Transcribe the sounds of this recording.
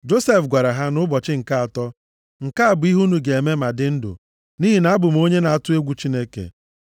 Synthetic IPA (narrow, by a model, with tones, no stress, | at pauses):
d͡ʒo˦se˦fɡʷa˨ɾa˨ɦa˦nʊ˦bɔ˨t͡ʃɪ˦ŋ̩˨ka˦a˨tɔ˦ | ŋ̩˨ka˦a˨bʊ˨˦i˦ɦu˦nu˨ɡe˨e˨me˦ma˨dɪ˦n̩˦dʊ̰˨ | ni˦ɦi˨na˨˦bʊ˨m˦o˦ɲe˦na˨a˨tʊ˦e˦ɡʷu˨t͡ʃi˦ne˦kḛ˨